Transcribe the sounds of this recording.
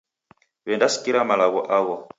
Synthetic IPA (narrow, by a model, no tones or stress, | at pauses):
βɛndasi̥kiɾamalaɣɔʔaɣɔ